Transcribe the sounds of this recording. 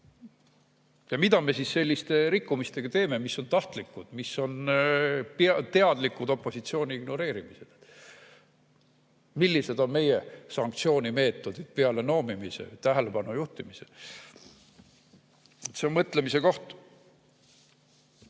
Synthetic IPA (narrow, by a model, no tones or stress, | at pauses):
jɑmid̪̥ɑme̞sisːe̞lʲːist̪e̞ɾikːumist̪e̞ɡ̥ɑt̪e̞ːme̞misːo̞nt̪ɑht̪likːˑud̪̥misːo̞n | pt̪eɑd̪̥likːˑud̪̥o̞pːˑo̞sit̪sio̞ːnʲiiɡ̥no̞ɾe̞ːɾimise̞d̪̥ed̪ | milːise̞d̪̥o̞nme̞jesɑŋkt̪sio̞ːnʲime̞ːt̪ːˑo̞d̪̥id̪̥̚peɑle̞no̞ːmimisḛt̪æɦeleb̥ɑnujuht̪imise | et̪seonmɤt̪ˑle̞mise̞ko̞ht̪u̥